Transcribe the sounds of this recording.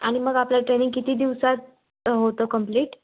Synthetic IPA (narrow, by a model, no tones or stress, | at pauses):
a̰ɽ̃iməɡapljaʈɾeniŋɡ̚kit̪iːd̪iʋsat̪̚ | ɦot̪okəmpliːʈ